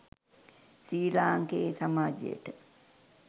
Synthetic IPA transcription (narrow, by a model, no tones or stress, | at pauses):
siːlaːŋkeːsamaːd͡ʒḛjḛʈə